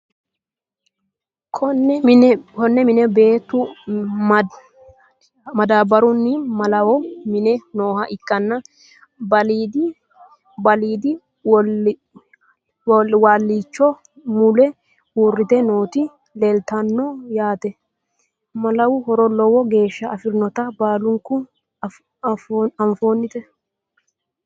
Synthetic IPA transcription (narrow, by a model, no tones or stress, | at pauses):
kʰɔ | kɔnːɛmɪnɛbe̞ːt̪ːʊ | mɐd̪aːbɐɾʊnːɪmɐlɐwɔmɪnɛnoːhɐʔɪkʼːɐnːɐ | bɐliːd̪ɪ | bɐliːd̪ɪ | waːlːiːt͡ʃːɔ | mʊlɛ | uːrːɪt̪ɛnoːt̪ɪ | lelt̪ɐnːɔjaːt̪ɛ | mɐlɐwʊhɔɾɔlɔwɔɡe̞ːʃːɐːfɪɾnɔt̪ɐbaːlʊŋkʊ | ɐɱfoːnːɪt̪ɛ